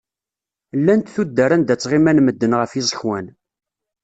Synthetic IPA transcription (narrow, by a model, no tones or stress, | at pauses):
lːænt̪θud̪ːəɾænd̪æt͡sːʁimænməd̪ːənʁəfjizˤəçwæn